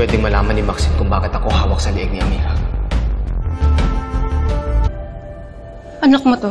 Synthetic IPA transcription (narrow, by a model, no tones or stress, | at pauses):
wɛːd̪ɪŋmɐlaːmɐnɪmaksɪmkʊŋbaːkɪt̪ɐko̞ɦaːwɐk̚sɐlɪʔɪɡ̚nɪʔɐmiːɡɐ | ʔɐnɐkmot̪o